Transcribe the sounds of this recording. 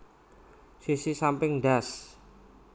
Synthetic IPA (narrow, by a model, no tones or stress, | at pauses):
sisisampɪŋɖas